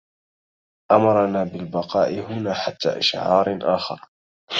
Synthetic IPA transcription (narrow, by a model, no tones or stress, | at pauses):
ʔamɑɾˤɑnaːbɪlbɑqɑːʔɪhʊnaːħat̪ːa̰ːʔa̰ʃʕɑːɾˤʔaːxɑ̰ɾˤ